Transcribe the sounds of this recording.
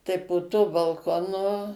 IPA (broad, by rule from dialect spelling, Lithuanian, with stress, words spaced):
tɐɪ poː tuɔ bɐlˠˈkoːnʊ